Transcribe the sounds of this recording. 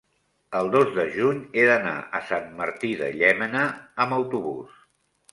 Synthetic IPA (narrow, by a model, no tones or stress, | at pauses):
əlˠd̪ozðəʒuɲeðəna̰ʔəsanməɾt̪iðə̰ʎɛmənəəməwt̪uβus